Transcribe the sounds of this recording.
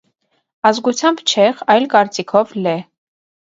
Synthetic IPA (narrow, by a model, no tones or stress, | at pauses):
ɑzɡut͡sʰjɑmbt͡ʃʰɛχɑjlkɑɾt͡sikʰɔvlɛ